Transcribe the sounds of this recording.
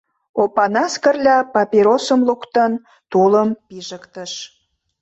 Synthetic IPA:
opɑnɑskə̆rlʲɑpɑpiɾosəmlukt̪ən | t̪uləmpiʒəkt̪əʃ

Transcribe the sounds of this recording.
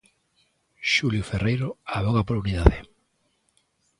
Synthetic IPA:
ʃuljoferejɾoaβoɣapoɾuniðaðe

